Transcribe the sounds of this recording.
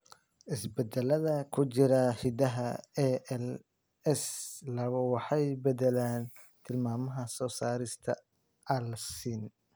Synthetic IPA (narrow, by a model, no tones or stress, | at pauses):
ʔɪsbɛd̪ɛlɐðɐkʰʊt͡ʃɪɾɐhɪd̪ɐɦɐɛɛl | ɛslɐβɐwɑħɑjbɛd̪ɛlaːn | t̪ʰɪlmaːmɐɦɐsɔːsaːɾɪst̪ʰɐ | ɐlsin